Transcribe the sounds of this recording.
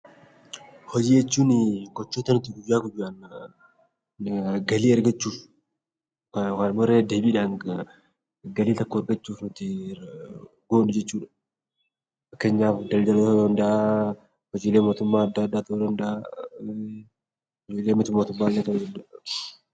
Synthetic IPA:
hɔd͡ʒiːjɛt͡ʃːuːnɪɡɔt͡ʃːuːt̪ɐnʊt̪ɪɡʊjːaːkʊd͡ʒʊɐn | ɡɐliːɐɾɡɐt͡ʃːuːf | kɐwanmɔɾeːd̪e̞ːbiːᶑaːŋ | ɡɐliːt̪ɐkːoɐɾɡɐt͡ʃːuːfnʊt̪ɪ | ɡoːnʊd͡ʒɛt͡ʃːuːᶑɐ̥ | fɐkːeːɲːaːfd̪ɐld̪ɐlod̪ɐnd̪ɐʔa | hɔd͡ʒiːleːmo̞ːt̪ʊmːaːɐd̪ːad̪ːat̪ɐuːd̪ɐnd̪ɐa | hɔd͡ʒiːleːmɔt̪ɪmoːt̪ʊmːaːlɐt̪ɐuːd̪ɐnd̪a

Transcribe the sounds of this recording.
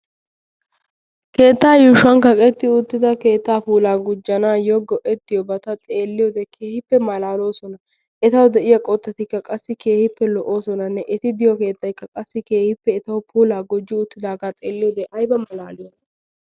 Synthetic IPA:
ke̞ːt̪ːaːjuːʃɐnkɐkʼɛt̪ːɪʊt̪ːɪd̪ɐke̞ːt̪ːaːpuːlaːɡʊd͡ʒːɐnaːjɔɡɔʔɛt̪ːɪjɔbɐt̪ɐt̪ʼe̞ːlːɪjɔd̪ɛkʰeːhɪpːɛmɐlaːlo̞ːsɔnɐ | ʔɛt̪ɐwʊd̪ɛʔɪjɐkʼɔt̪ːɐt̪ɪkːɐkʼɐsːɪke̞ːhɪpːɛlɔʔo̞ːsɔnɐnːɛʔɛt̪ɪd̪ɪjɔke̞ːt̪ːɐjkːɐkʼɐsːɪke̞ːhɪpːɛɛt̪ɐwʊpʰuːlaːɡʊd͡ʒːɪʊt̪ːɪd̪aːɡaːt̪ʼe̞ːlːɪjɔd̪ɛʔɐjbɐmɐlaːlɪjɔnɐ

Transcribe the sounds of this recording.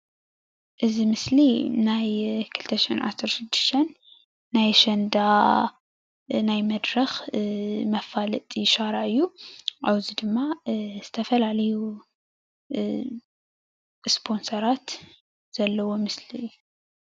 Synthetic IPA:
ʔɨzimɨslinajkʰɨlt̪ʰɐʃiħinʕa̰sɐɾʃɪd̪ːɨʃt̪ʰɐnː | ajʃɐnd̪a | najmɐd̪ɾɐx | mɐfalɨt̪ʼiʃaɾaʕɨjːuʔawzid̪ɨmːaz̥ɨt̪ʰɐfɐlalɐju | spʰo̞nsɐɾat̪ | z̥ɐlːɐwo̞mɨslijːu

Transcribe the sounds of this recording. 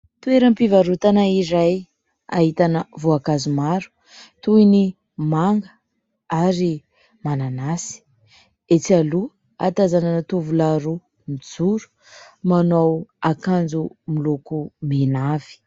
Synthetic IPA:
t̪ueɾəmpivaɾut̪anaiɾaj | a̰ɦit̪anəvoakazumaɾu̥ | t̪uini | maŋɡə̥ | aɾi | mananasi̥ | et͡sialu | a̰t̪azananət̪uvulaɾu | mid͡zuɾu̥ | manowakand͡zumilukumenav̥i̥

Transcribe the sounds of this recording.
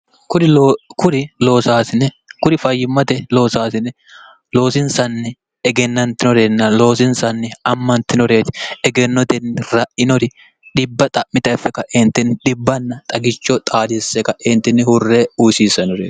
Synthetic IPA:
kʊɾɪkʊɾɪlo̞ːsaːsɪnɛ | kʊɾɪfɐjːɪmːɐt̪ɛlo̞ːsaːsɪnɛ | lo̞ːsɪnsɐnːɛ | ɛɡɛnːɐnt̪ɪnɔɾenːɐlo̞ːsɪnsɐnːɪɐmːɐnt̪ːɪnɔɾeːt̪ɪ̥ɛɡɛnːɔd̪ɛnːɪɾɐʔɪnɔɾɪ | ᶑɪbːɐt̪ʼɐʔmɪt̪ɐjfːɛkɐʔɛnt̪ːɪnːɪᶑɪbːɐnːɐt̪ʼɐɡɪt͡ʃːɔt̪ʼaːd̪ɪsːɛkɐʔɛnt̪ːɪnːhʊrːɛusiːsɐnɔɾe̥ː

